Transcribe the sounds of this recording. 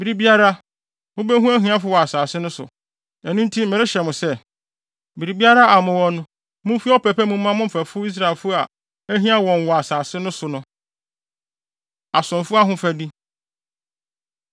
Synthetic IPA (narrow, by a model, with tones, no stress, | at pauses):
bi˨ɾi˨bi˦a˦ɾa˦ | mʊ̃˦bɛ˦ɦũ˦æ˦ɦĩ˨˦a˦fʊ˦wɔ˨a˨saː˨sɪ˦nʊ̃˦sʊ̰˨ | ɛ˨nũ˦n̩˦tʰi˦mɪ̃˨ɾɪ˦ɕɛ˨mʊ̃˨sɛ˦ | bi˨ɾi˨bi˦a˦ɾa˦a˨mʊ̃˨wɔ̃˨nʊ̃˦ | mʊ̃˦fi˦ɔ˦pɛ˨pʰɛ˦mũ˦m̩ː˦ã˦mʊ̃˦m̩˨fæ˨fʊ˦i˦s̬ɾa˨e˨lfʊ˦a˨ | æ˦ɦĩ˦a˦wɔ̃˨n˨wɔ˨a˨saː˨sɪ˦nʊ̃˦sʊ˨nʊ̃˦ | a˨sʊ̃˨nfʊ˦a˦ɦʊ̃˦fæ˨di˦